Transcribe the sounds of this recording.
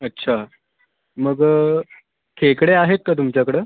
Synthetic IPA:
ətːɕʰa | məɡ | kʰekɽeaɦet̪̚kat̪̬umt͡ɕjakəɽeː

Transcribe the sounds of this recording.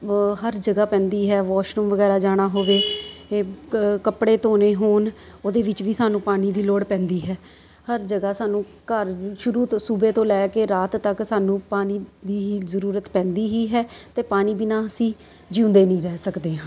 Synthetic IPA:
ɦəɾd͡ʒəɡaːpɛ̃ːnd̪iːɦɛːʋɔːʃɾəmʋəɡɛːɾaːd͡ʒaːɽ̃aːɦoːʋeː | kəpɽeːt̪oːneːɦoːn | oːd̪eːʋɪt͡ʃʋiːsaːnũːpaːniːd̪iːloːɽpɛ̃ːnd̪iːɦɛː | həɾd͡ʒəɡaːsaːnũː | kəɾʃʊɾuːt̪ːsuːbeːt̪õːlɛːkeːɾaːt̪ːəksaːnũːpaːniːd̪iːɦiːzəɾuːɾət̪pɛ̃ːnd̪iːɦiːɦɛːt̪eːpaːniːbinaːəsĩː | d͡ʒiʊ̃nd̪eːnĩːɾɛːsəkd̪eːɦãː

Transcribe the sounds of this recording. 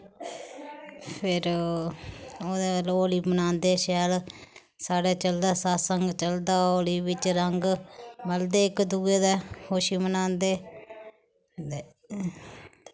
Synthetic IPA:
pʰɪɾ | oːd̪eːloːliːmənãːnd̪eːʃɛːl | saːɽeːt͡ʃəld̪aːsaːsəŋɡt͡ʃəld̪aːoːliːʋɪt͡ʃɾəŋɡməld̪eːɪkd̪uːeːd̪eːhoːʃiːmənaːnd̪eː

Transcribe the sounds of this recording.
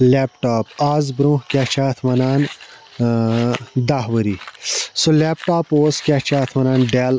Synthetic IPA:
leːpʈaːpaːzbɾõːɦkʲat͡ʃʰaːt̪ʰmɐnaːn | d̪aɦʋəɾiːsoleːpʈaːpoːskʲat͡ʃʰaːt̪ʰmɐnaːnɖaːl

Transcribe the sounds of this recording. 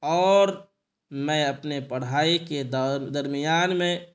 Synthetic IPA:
ɔːɾ | mɛ̃ɐpnepəɽ̤aːiked̪d̪ɐɾmijaːnmẽ

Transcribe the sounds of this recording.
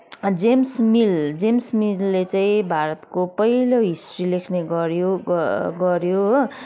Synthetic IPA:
d͡zemsmild͡zemsmilːet͡saĩbʱaɾʌt̪kopʌɦiloɦisrilekʰneɡʌɾjoɡʌɾjo

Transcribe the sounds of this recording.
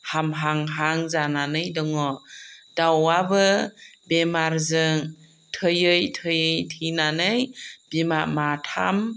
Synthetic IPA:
hamɦaŋɦaŋzananɯjdɔŋɔd̥awabɯbemaɾzɯŋ | tʰɯjɯjtʰɯjɯjtʰinanɯjb̥imamatʰa̰m

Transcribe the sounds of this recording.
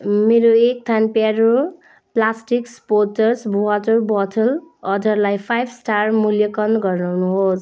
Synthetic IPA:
meɾoek̚t̪ʰanpaɾo | plasʈikspotʌɾsbʱuat̪ʌrbʌt̪ʰʌlʌd̪ʱʌɾlajpʰajbsʈarmuljʌkʌnd̪ɡʌrnawnuɦos

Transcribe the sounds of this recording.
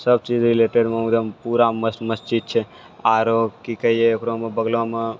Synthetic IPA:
səb̚t͡ʃid͡ʒɾɪleʈeɖməmɡd̪əmpuɾaməsməsd͡ʒid̪̚t͡ʃʰe | aːɾokːikəiekɾomẽbəɡlomã

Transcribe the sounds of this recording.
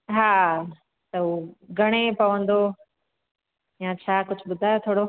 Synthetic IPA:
ɦaː | t̪ɐuːɡʱɐɽ̃epɐʋə̃nd̪o | jãt͡ɕʰaːkʊd͡ʑʱʊɓʊd̪ʱaːjot̪ʰoːɽo

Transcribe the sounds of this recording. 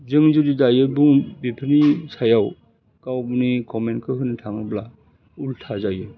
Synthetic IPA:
zɯŋzudidajɯbuŋbipʰinisajaw | kawbunikɔmenkʰɯɦɯntʰaŋɯbla | ultʰazajɯ

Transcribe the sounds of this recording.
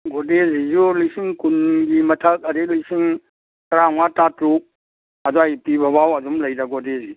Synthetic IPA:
ɡɔdezizulisiŋkunɡimɐtʰək̚ɐɾelisiŋ | kɾaŋwatatɾu | adɔajpibʱɐbawɐdumlɐjdaɡɔdezi

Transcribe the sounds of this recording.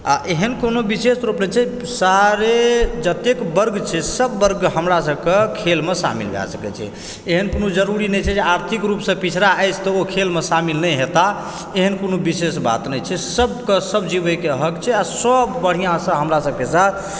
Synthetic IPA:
a̰ʔeɦənkonobisesɾupnɛt͡ʃʰɛ | saɾed͡ʒət̪ekbəɾɡt͡ʃʰɛsəbːəɾɡɦəmɾasəbkekʰelmesa̰mḭlɡʱɛ̰səkɛ̰t͡ʃʰɛ̰ | eɦənkonod͡ʒəɾuɾinɛt͡ʃʰɛd͡ʒeaɾt̪ʰikɾupsə̃pit͡ʃʰɾaəjt͡ʃʰt̪ɔokʰelmesamilnəjɦet̪a | eɦənkonobisesba̰t̪nɛjt͡ʃʰɛsəbkesəbd͡ʒibəkeɦəkt͡ʃʰɛasəbːəɽ̤ijãsə̃ɦəmɾasəb̚kesat̪ʰ

